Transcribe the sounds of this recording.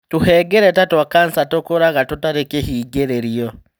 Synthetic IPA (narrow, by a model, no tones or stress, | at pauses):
tuheːɡeɾetatwakansatokoɾaɣatotaɾekehiːɡeɾeɾio